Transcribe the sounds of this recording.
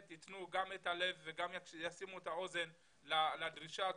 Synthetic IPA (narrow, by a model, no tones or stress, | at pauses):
t̪itnuɡametale̞vːeɡamjjasimuetao̞ze̞n | laladʁiʃa